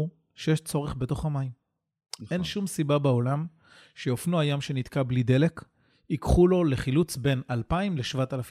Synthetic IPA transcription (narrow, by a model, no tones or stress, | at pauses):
ʃejeʃt͡so̞ʁeχbe̞to̞χamaim | e̞nʃumsibabeo̞lam | ʃeofnuajamʃe̞nitkablide̞le̞k | ikχulo̞leχilut͡sbe̞nalpaimleʃvatalafi